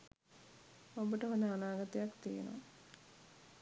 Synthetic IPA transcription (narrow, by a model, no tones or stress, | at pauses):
obəʈəɦod̪əanaːɡat̪ejakt̪ijḛno̰a